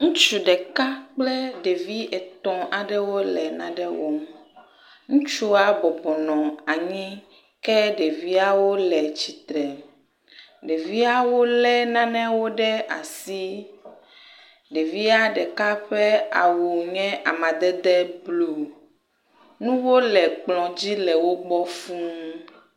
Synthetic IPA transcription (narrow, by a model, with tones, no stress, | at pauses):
ŋũ˦t͡ʃu˨ɖɛ˨ka˦k͡plɛ˦ɖe˨vi˦ʔɛ˨t̪ɔ̃˨ʔa˨ɖɛ˦wo˦lɛ˨nã̰˨ɖɛ˦wo̰˦m | ŋũ˦t͡ʃu˦a˦bɔ˨bɔ˨nɔ̃˨a˨ɲĩ˦ | kɛ˦ɖe˨vi˦a˦wo˦lɛ˨t͡ɕi˨t̪ɾɛ˨ | ɖe˨vi˦a˦wo˦lɛ˦nã˦nɛ̃˦wo˦ɖɛ˦a̰˨si˦ | ɖe˨vi˦a˦ɖɛ˨ka˦ɸɛ˦a˨wu˨ɲɛ̃˦ʔa˨mã˨d̪ɛ˦d̪ɛ˦blu˨ | nũ˦wo˦lɛ˨k͡plɔ̃˨d͡ʑi˦lɛ˨wo˦ɡ͡bɔ˦fũ˦